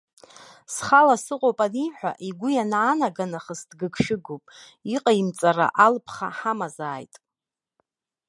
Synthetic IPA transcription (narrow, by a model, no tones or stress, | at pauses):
sχalasɨqʼowpʼaniħᶣʷa̰ʔiɡʷʊjanːnaɡanaχəsdɡɨkʰʃɪɡupʼ | iqʼaimt͡sʼara̰ʔalpʰχaħamazaːjtʼ